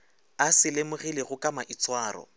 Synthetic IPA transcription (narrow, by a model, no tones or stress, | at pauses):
asɪlɪmʊɣilɪɣʊkʼamaʔit͡sʼwaːrɔ̰